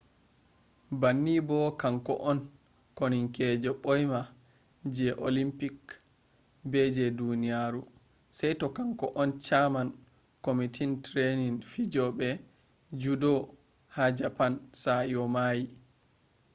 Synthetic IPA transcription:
banːibɔkaŋkɔ̰ʔɔn | koniŋkɛd͡ʒɔɓojma | d͡ʒɛʔolimpik | bɛd͡ʒɛdunijaɾu | sajtɔkaŋkɔʔɔnt͡ʃaman | komitʰintɾeninfid͡ʒɔɓɛ | d͡ʒudɔ | had͡ʒapansajɔmaji

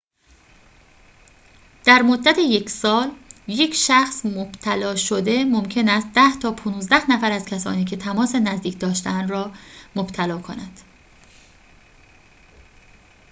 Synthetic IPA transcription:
d̪̥æɾmo̞d̪ːæt̪ʰeje̞cʰsɒːlje̞cʰʃæxsmob̥t̪ʰælɒːʃod̪e̞momcʰe̞næst̪̚d̪æht̪ʰɒːpʰonuːzd̪æhnæfæɾæzkʲʰæsɒ̰ːniːcʰe̞t̪ʰæmɒːsenæzd̪iːcʰd̪ɒːʃt̪eænd̪ɾɒːmob̥t̪ʰælɒːkʰo̞nænd̪̥

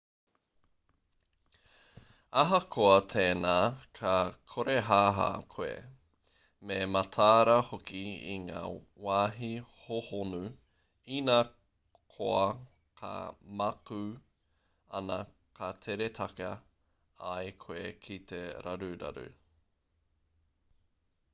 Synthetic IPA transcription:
aɦɐkʰoɐt̪ʰeːnaːkʰɐkʰoɾeɦaːɦa̰ːkʰoḛ | memɐtʰaːɾɐhokiḭŋa̰ː | waːɦihohonu | inaː | kʰoɐ | kʰɐ̰mɐkʉ | ɐ̰nɐ | kɐt̪ʰeɾet̪ʰɐkɐ | aekʰoekʰit̪ʰeɾa̰ɾʉɾɐ̰ɾʉ̰

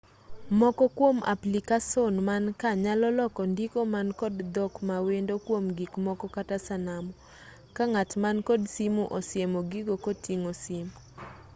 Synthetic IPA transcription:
mɔkɔkwoma̰plikasonmankaɲalɔlɔkɔndikomankɔdd̪ɔkmawendokwomɡikmɔkɔkatasanamɔ | kaŋatmankɔdsimuʔɔsɪemɔɡiɡokɔtiŋosim

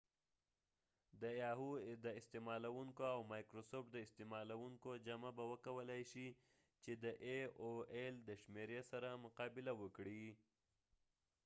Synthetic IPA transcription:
d̪əjɑɦud̪əɪst̪emɑlawuŋkoawmɑjkɾosopd̪əɪst̪emɑlawuŋkod͡ʒamabawəkawəlajʃi | t͡ʃed̪əʔeoeld̪əʃmeɾesaɾamʊqɑbɪlawəkɽi

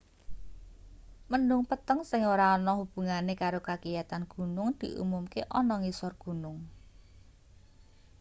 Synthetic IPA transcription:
mənʊŋpət̪əŋsɪŋoɾaɔnɔhub̥ṳŋanekaɾokakijat̪anɡ̥ṳnʊŋd̪̥i̤ʔṵmumkeʔɔnɔŋisɔrɡ̥ṳnʊŋ

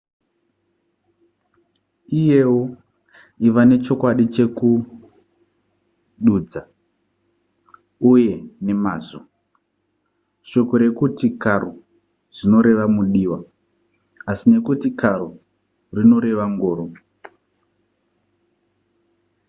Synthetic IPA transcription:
ije̞wo | iʋane̞t͡ʃo̞kwaɗit͡ʃe̞ku | ɗuːd͡za | uje̞ne̞maːzo̰ | ʃo̞ko̞ɾe̞kutikaro | ʐ̥ino̞ɾe̞ʋamuɗiːwa | asine̞kutikaɾo | rino̞ɾe̞ʋaŋɡoːɾo

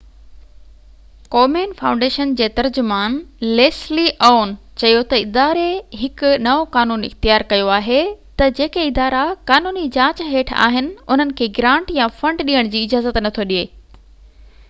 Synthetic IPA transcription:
koːmeːnfãːʊ̃ɳɖeːʃənd͡ʑeːt̪ɐɾd͡ʑʊmaːnleːsliʔoːn | t͡ɕɐjot̪ɐɪd̪aːɾeɦɪkʊnɐʋokaːnuːnɪ̰xt̪ijaːɾkɐjoaːɦet̪ɐd͡ʑeːkeɪd̪aːɾakaːnuːnid͡ʑãːt͡ɕɦeːʈʰa̰ːɦɪnɪ̆ʊn̤ənɪ̆kʰeːɡɾãːɳʈjafɐ̃ɳɖɗiːəɽ̃d͡ʑiːɪd͡ʑaːzət̪nɐt̪ʰoɗieː

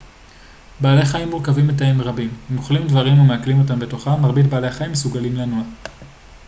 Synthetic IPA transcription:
baːleχaimːuʁkavimet̬aemʁabimmoχlimdvaʁimumeaklimo̞t̬ambe̞to̞χaːaʁbit̪baːleaχaimːesuɡalimlanua

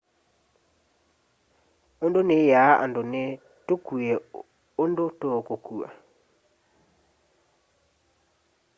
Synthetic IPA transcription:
ondonejaʔa̰ndone | tokuɛ | ondotokokua̰

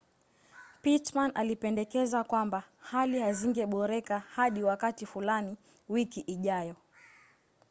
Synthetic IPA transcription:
pitmanalipɛndɛkɛzakwambahalihaziŋɡɛɓɔɾɛkahaɗiwakatifulani | wikiʔiʄajɔ

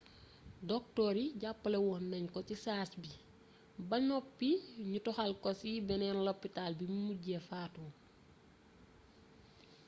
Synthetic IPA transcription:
dɔk̚tɔːɾiɟapːəlɛwɔnːɐɲkɔcisaːsbi | bɐɲɔpːiɲutɔxalkɔsibɛnɛnlɔpːitalbimmuɟɛfaːtuː

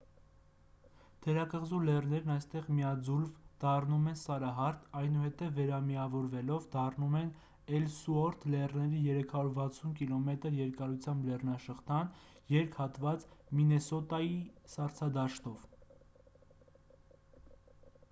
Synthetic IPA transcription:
d̪̥ʰɛɾɑkəʁzulɛrnɛɾnɑjst̪ɛʁmijɑd͡zulvd̪̥ɑrnumɛnsɑɾɑɦɑɾt̪ʰɑjnuhɛt̪ɛvːɛɾɑmiɑvɔɾvɛlɔvd̪ɑrnumɛn | ɛlsuɔɾt̪ʰlɛrnɛɾijɛɾɛkʰɑɾuɾvɑt͡sʰunkilɔmɛt̪əɾjɛɾkɑɾut͡sʰjɑmblɛrnɑʃəχt̪ʰɑn | jɛɾkʰhɑt̪vɑt͡sminɛsɔt̪ɑjisɑɾt͡sʰɑd̪ɑʃt̪ɔv

